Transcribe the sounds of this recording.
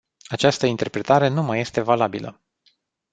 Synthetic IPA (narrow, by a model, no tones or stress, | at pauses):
at͡ʃast̪əint̪e̞rpɾe̞t̪aɾe̞numaje̞st̪e̞valabilə̰